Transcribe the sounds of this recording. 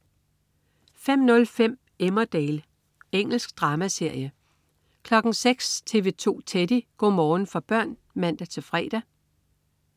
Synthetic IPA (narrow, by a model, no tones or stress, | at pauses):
fem̰nɔ̽lfem̰ | emɐd̥ɛːl | eŋ̰l̩sɡ̥̚d̥ʁɑ̈ːmæse̝ɐ̰jə | kʰlɒ̽ɡ̥n̩seɡ̥st͡sʰe̝ːʋe̝t͡sʰo̝̰ːt͡sʰed̥iɡ̥ɒ̰ːmɒːn̩fɒ̽b̥ɶɐ̰n | mæn̰d̥æt͡sʰe̝fʁɛ̰ːd̥æ